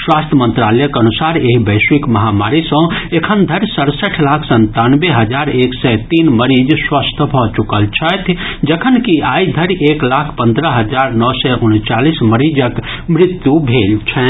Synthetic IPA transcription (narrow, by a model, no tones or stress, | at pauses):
swast̪ʰjəmə̃nt̪ɾalɛjəkənusaɾeɦibəɪswikməɦamaɾisə̃ekʰənd̪ʱəɾsəɾsəʈʰlakʰsə̃nt̪anbeɦəd͡ʒaɾeksɛt̪inməɾid͡ʒswəst̪ʰbʱɔt͡ʃukəlt͡ʃʰət̪ʰd͡ʒəkʰənkiaid̪ʱəɾeklakʰpə̃nd̪ɾəɦəd͡ʒaɾnɔsɛʔunt͡ʃalisməɾid͡ʒək | mɾɪt̪jubʱelt͡ʃʰɛ